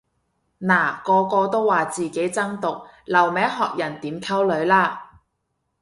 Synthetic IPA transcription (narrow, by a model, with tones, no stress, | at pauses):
naː˨˩kɔː˧kɔː˧t̪o˥wːaː˨t͡siː˨ke˨˥jt͡sɐ˥ŋt̪ʊ˨k̚ | lɐ˨˩wmɛː˨˥ŋɦɔː˨k̚jɐ˨˩nt̪iː˨˥mkʰɐ˥wlɵ˨˧˥ɥlaː˥